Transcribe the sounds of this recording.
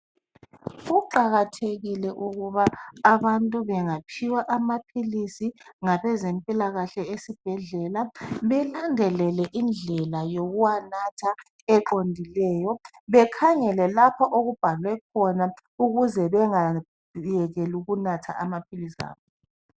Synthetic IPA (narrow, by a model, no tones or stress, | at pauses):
uǃaɣatʰeɣilɛʔuɣuβaːβantʼuβɛŋapʰiwaʔamapʰilisiŋaβɛzempʼilaɣaɬɛesib̥ʱɛɮɛlaβɛlandʱɛlɛlɛʔind͡ɮʱɛlajoɣuwanatʰa | ɛǃondʱilɛːjɔ | βɛkʰaɲɛlɛlapʰaʔoɣub̥ʱalwɛkʰɔna | uɣuzɛβɛŋa | jɛɣɛluɣunatʰa̰ʔamapʰilisa̰ːβɔ